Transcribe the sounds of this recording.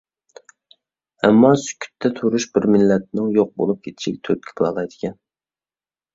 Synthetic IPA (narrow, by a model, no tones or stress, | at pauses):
ɛmːɑsy̥kʲʰːy̥t̪ʰːɛt̪ʰuɾuʃbɪɾmɪlːɛt̪̚nɪŋjoq̚bo̰lˠup̚kʲʰet̪ʰɪ̥ʃik̚ʲt̪ʰøt̪̚kʲʰi̥plˠɑ̰lˠɑjd̪ɪkʲʰɛn